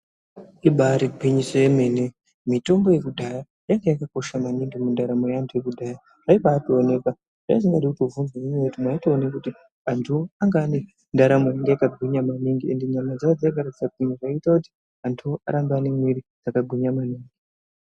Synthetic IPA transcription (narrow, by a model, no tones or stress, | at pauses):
iɓaɾiɡwiɲisojeme̞ne | mito̞mbo̞je̞kudʱaja | jaŋɡejakako̞ʃamaniŋɡimundaɾamojantʰuje̞kudʱaja | ʐ̥aipaːtoone̞ka | ʐ̥aisiŋɡaɗikutovunzwaɲimeutimwaːtoːnekuti | antʰuaŋɡaːne̞ | ndaɾamojaŋɡejakaɡʱuɲamaniŋɡiende̞ɲamad͡zaad͡zaakaɾati̥sad͡ziniʐaitakuti̥ | antʰua̰ɾambanemwiɾid͡zakaɡʱuɲamaniːŋɡi